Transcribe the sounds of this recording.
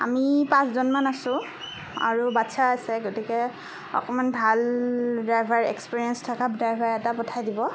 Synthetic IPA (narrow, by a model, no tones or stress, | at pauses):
a̰mipãszɔnmanasʊ̃ | a̰ɹubatsʰaːsɛɡotikɛ | ɔ̰kɔmanbʱaldajbʱaɹɛ̰kspiɹiɛnstʰakadajbʱaɹɛtapɔtʰajdibɔ